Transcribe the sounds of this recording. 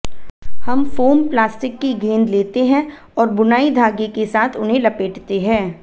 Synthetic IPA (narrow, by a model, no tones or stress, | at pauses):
hɐmfoːmplaːsʈɪkːiɡʱẽːnd̪leːt̪eɦɛ̃ | ɔːɾbʊnaːid̪ʱaːɡekesaːt̪ʰʊnɦẽlɐpeːʈt̪eɦɛ̃ː